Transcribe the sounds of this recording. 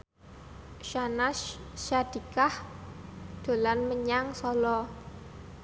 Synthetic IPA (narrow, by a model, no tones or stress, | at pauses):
ʃanaʃʃad̥i̤kah | d̪̥o̤lanməɲaŋsɔlɔ